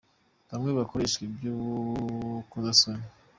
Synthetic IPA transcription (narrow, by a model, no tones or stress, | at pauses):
hamŋeβakoɾeʃkebju | kuzasone